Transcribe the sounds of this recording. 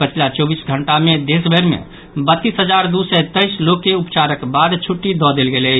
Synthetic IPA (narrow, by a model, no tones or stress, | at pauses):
pət͡ʃʰilat͡ʃɔbisɡʱəɳʈamed̪esbʱəɾmḛ̃ | bət̪ːisɦəd͡ʒaɾd̪usɛt̪əjslokːeupt͡ʃaɾəkbad̪t͡ʃʰuʈːid̪ɔd̪elɡelət͡ʃʰ